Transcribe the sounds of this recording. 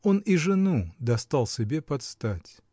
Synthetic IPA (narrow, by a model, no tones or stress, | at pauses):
o̞niʐɨnud̪ɐst̪alˠsʲɪbʲe̞pɐt̪st̪atʲ